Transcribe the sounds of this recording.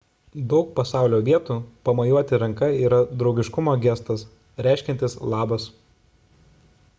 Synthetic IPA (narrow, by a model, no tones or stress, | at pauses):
d̪ɒʊk̚pɐsɑˑʊlʲoːʋʲiɛt̪uːpɐmɐjuɔt̪ʲɪɾɐŋkɐiːɾɐd̪ɾɒʊɡʲɪʃkʊmoːɡʲɛst̪ɐs | ɾʲæˑɪʃʲkʲɛnt̪ʲɪslˠɑːbɐs